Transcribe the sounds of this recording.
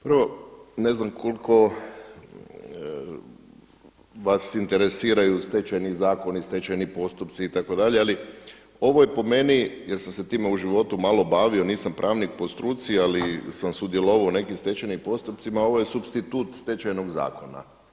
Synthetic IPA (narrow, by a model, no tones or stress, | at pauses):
pr̩ʋo̞ne̞znamkʰo̞lko̞ | ʋasint̪e̞ɾe̞siːɾajust̪e̞t͡ʃajnizaːko̞nist̪e̞t͡ʃajnipo̞st̪upt̪siːt̪ako̞d̪aʎeali | o̞ʋo̞jepo̞me̞nijeɾsamse̞t̪iːme̞uʒiʋo̞t̪umalo̞baːʋio̞niːsampɾʔaːʋnik̚po̞st̪ɾuːt̪sialisamsud̪je̞loʋaone̞kimst̪e̞t͡ɕajnimpo̞st̪up̚t̪simao̞ʋoje̞subst̪it̪uːt̪st̪e̞t͡ʃajnoɡza̰ːko̞na̰